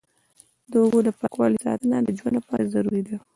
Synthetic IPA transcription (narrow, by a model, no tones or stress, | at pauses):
d̪əʊbod̪əpakwɑlisɑ̰t̪ənad̪əd͡ʒwand̪lapɑɾazaɾuɾid̪a